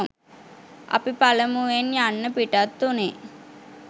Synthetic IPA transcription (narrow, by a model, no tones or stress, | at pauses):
ʔɐ̰pipaləmuʋenjanːəpiʈat̪ːune